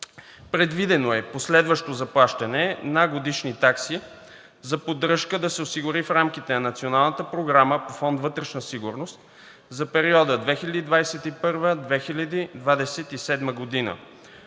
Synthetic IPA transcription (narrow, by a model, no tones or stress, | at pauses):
pɾɛd̪vid̪ɛnoɛposlɛd̪vəʃt̪ozɐplˠaʃt̪ɐnɛnaɡod̪iʃnit̪aksi | zɐpod̪ɾɤʃkəd̪ɐsɛosiɡʊɾifɾamkit̪ɛnɐnɐt̪sionalˠnət̪əpɾoɡɾaməpofɔnd̪vɤt̪ɾɛʃnəsiɡuɾnost̪ | zɐpɛɾiɔd̪əd̪vɛxilʲɐd̪id̪vasɛt̪ipɤɾvəd̪vɛxilʲɐd̪id̪vad̪ɛsɛt̪isɛd̪məɡod̪inə̰